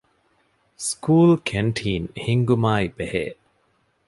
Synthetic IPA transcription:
skʰuːlkʰeɳʈʰiːnhiŋɡumaːibehḛː

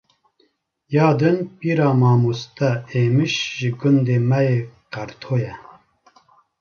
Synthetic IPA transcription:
jɑːd̪ɨnpiːɾɑːmɑːmust̪ɛeːmɨʃʒɨɡund̪eːmɛjeːqæɾt̪ʰoːjɛ

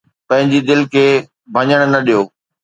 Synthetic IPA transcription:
pɐ̃ɦɪ̃ɲd͡ʑid̪ɪlkʰeː | bʱɐ̃ɲəɽ̃nɐɗijoː

